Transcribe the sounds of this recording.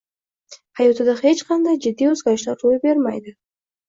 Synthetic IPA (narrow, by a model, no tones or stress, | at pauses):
hɑjut̪ʰɨd̪əχet͡ʃqɑnd̪ɑjd͡ʒɪd̪ːiozɡɑʃlˠaɾɾojbeɾma̰jd̪ɨ